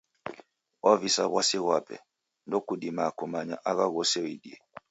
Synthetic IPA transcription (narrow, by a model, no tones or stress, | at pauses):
wʔavisaβwasiɣwapɛ̰ | ndɔkudimakumaɲa̰ʔaɣaɣɔsɛwidiɛ